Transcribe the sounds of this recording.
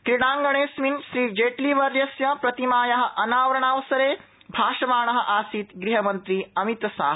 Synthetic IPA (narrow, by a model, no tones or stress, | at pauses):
kɾiɽ̃aːŋɡɐɳeːsminʃɾiːd͡ʒeːʈliʋɐɾjɐsjɐpɾɐt̪imaːjɐɦɐ̆ʔɐnaːʋɾɐɳaːʋɐsɐɾeː | bʱaːʃɐmaːɳɐɦɐ̆ʔaːsiːt̪ɡɾiɦɐmɐnt̪ɾiːɐmit̪ɐsa̰ːɦɐ